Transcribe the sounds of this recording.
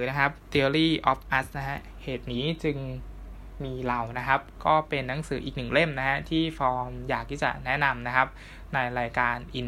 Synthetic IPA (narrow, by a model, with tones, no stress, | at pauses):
ɯː˩˦na˦˥kʰa˦˥p̚t̪i˧ɾiː˥˩ʔɔ˦˥p̚ʔa˦˥sna˦˥ɦa˦˥ʔ | heː˨˩t̪̚niː˦˥t͡ɕɯ˧ŋ | miː˧la˨˩wna˦˥kʰa˦˥p̚kɔː˥˩pe˧nːa˦˥ŋsɯː˩˦ʔiː˨˩k̚nɯ˨˩ŋle˥˩mna˦˥ha˦˥t̪ʰiː˥˩fɔː˧ŋjaː˨˩k̚t̪ʰiː˥˩t͡ɕa̰˨˩nɛ˦˥na˧mna˦˥kʰa˦˥p̚ | na˧jɾaː˧jkaː˧nʔi˧n